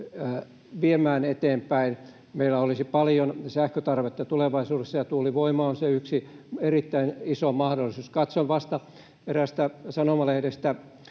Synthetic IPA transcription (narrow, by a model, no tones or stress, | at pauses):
ʋiemæːnet̪eːmpæin | meilːˑæolisipɑljonsæhkøt̪ɑrʋet̪ːɑt̪uleʋɑisuːdesːɑjɑt̪uːliʋoimɑonseyksierit̪ːæinisomɑhdolːˑisuːskɑt̪soʋʋɑst̪ɑ | peræst̪æsɑnomɑlehɾest̪æ